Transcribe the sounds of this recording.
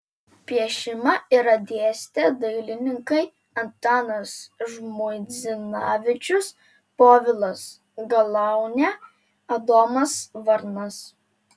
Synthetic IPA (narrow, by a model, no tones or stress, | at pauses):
pʲiɛʃʲɪmɐiɾɐd̪ʲeɛsʲt̪ʲed̪ɐɪlʲɪnʲɪŋkɐɪ | ɐnt̪ɑːnɐsʒmʊɪzʲɪnɑːʋʲɪt͡ʃʲʊs | poːʋʲɪlˠɐs | ɡɐlˠɑˑʊnʲɛ | ɐd̪oːmɐsʋɐɾnɐs